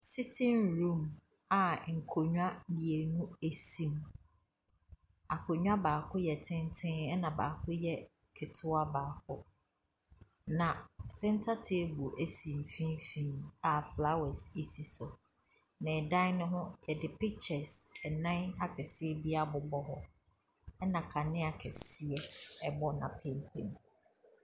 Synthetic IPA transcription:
si˦tʰɪ̃˦nɾũ˦˨m | a˨ŋ̩˨kʰo˨ɲᶣu˦a˦mĩ˨e˨nũ˦æ˨sĩ˨m | a˨kʰo˨ɲᶣu˦a˦baː˨kʰʊ˦jɛ˨tʰɪ̃˦ntʰɪ̃˦ɛ˦nã˨ba̰ː˨kʰʊ˦jɛ˦ | kʰɪ˨tʰʊ˦a˦baː˨kʰʊ˦ | nã˨sɛ̃˦n̩˦tʰa˦tʰe˦bu˨ʔæ˦sĩ˨m˨fĩ˦nfĩ˦˨na˨fla˦wɛ˨si˨si˨sʊ˨ | nã˨ɛ˨dã˦nʊ̃˦ɦʊ̃˦jɛ˨dɪ˨pi˦k̚t͡ʃɛ˨sɛ˨nã˦na˨kʰɛ˨sɪ˦ɛ˦bi˦a˦bʊ˨bɔ˦ɦɔ˦ | ɛ˦nã˨kʰa˨nɪ̃˦a˨kʰɛ˨sɪ˦ɛ˦ɛ˨bɔ˦nã̰˨pʰẽ˦mpʰḛ̃˨n˨

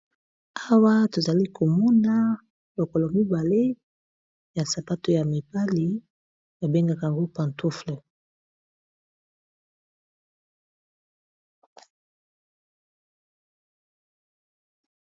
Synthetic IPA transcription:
a˦wa˦to˨za˨li˦kʰo˨mɔ˦na˦ | lo˨ko˨lo˨mi˦ba˨le˦ | ja˨sa˨pa˦to˦ja˨mi˨pa˦li˨ | ba˨be˦ŋɡa˦ka˨ja˨ŋɡo˦pã˨ntu˦fle˨

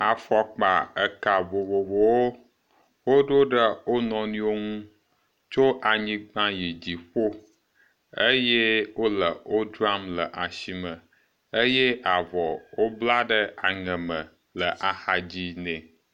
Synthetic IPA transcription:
a˨fɔ˨k͡pa̰˨ə˨ka˨vo˨vo˨vo˨wo˦ | wo˦ɖo˦ɖə˦wo˦nɔ̃˨nũ˦wo˦ŋũ˦ | t͡ʃo˦ʔa˨ɲĩ˦ɡ͡bã˦ji˨d͡ʑi˨ɸo˦ | ə˦je˦wo˦lə˨o˦dɾa˦mlə˨ʔa˨ʃi˨mə̃˨ | ə˦je˦a˨vɔ˨wo˦bla˦ɖə˦a˨ŋə̃˨mə̃˨ | lə˨ʔa˨xa˨d͡ʑi˦nɛ̃˨

